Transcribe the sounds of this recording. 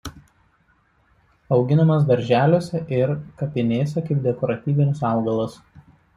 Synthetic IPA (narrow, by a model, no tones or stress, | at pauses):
ɒʊɡʲɪnɐmɐs̬d̪ɐɾʲʒʲæːlʲoːsʲɛʔɪɾkɐpʲɪnʲeːsʲɛkɐɪp̚d̪ʲɛkɔɾɐt̪ʲiːʋʲɪnʲɪsɑˑʊɡɐlˠɐs